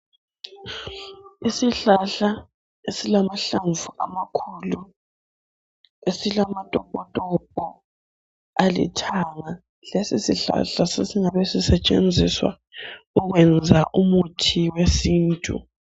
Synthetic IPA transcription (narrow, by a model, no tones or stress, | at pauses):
isiɬaɬa | esilamaɬaɱvuʔa̰makʰuːlu | esilamatʼɔpʼɔtʼɔpʼɔ | alḭtʰaŋa | lesisiɬa̰ɬasesiŋaβesisɛt͡ʃʼḛnd͡zʱiswa̰ | uɣwɛnd͡zʱaʔumutʰiwesiːntʼṵ